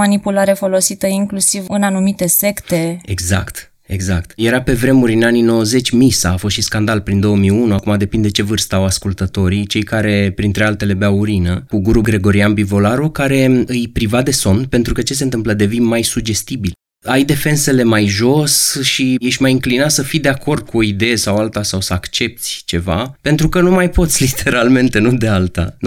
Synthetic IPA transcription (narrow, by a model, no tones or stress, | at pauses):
manipulaɾefo̞lo̞sit̪əiŋklusivɨnanumit̪e̞se̞kt̪e̞e̞ɡza̰kt̪ | e̞ɡzakt̪je̞ɾape̞vɾe̞muɾʲɨnanino̞wəze̞t͡ʃʲmisaːfo̞st̪ʃiskand̪alpɾind̪o̞wəmijunuakumad̪e̞pind̪et͡ʃe̞vɨrst̪aawaskult̪ət̪o̞ɾit͡ʃe̞jkaɾe̞pɾint̪ɾe̞alt̪e̞le̞beauɾinəkuɡuɾuɡɾe̞ɡo̞ɾianbivo̞laɾukaɾe̞ɨjpɾivad̪e̞so̞nd̪pe̞nt̪ɾukət͡ʃes̬e̞nt̪ɨmpləd̪e̞vinmajsuɡd͡ʒe̞st̪ibil | ajd̪e̞fe̞nse̞le̞majʒo̞sʃijeʃʲmajɨŋklinasəfid̪e̞akʰo̞rd̪̚kʰuo̞id̪e̞je̞sawalt̪asawsəakt͡ʃe̞p̚t̪sʲt͡ʃe̞va̰pe̞nt̪ɾukənumajpo̞t̪sʲlit̪ʰe̞ɾalme̞nt̪e̞nud̪e̞alt̪a̰